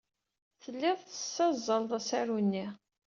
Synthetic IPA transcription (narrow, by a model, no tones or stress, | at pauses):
θəlːɪðˤθə̥sːæzˤːəlðˤæsæɾunːi